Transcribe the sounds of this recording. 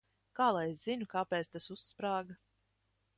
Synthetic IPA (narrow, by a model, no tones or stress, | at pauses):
kaːlˠajesz̥inukaːpeːt̪st̪asusːpɾaːɡa